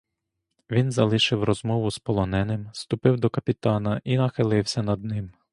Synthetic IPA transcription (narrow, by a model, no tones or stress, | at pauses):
ʋʲinzɐlˠɪʃɪwrɔzmɔʋʊspɔlˠɔnɛnɪmst̪ʊpɪwd̪ɔkɐpʲit̪ɑnɐʔinɐxɪlˠɪwsʲɐnɐd̪̚nɪm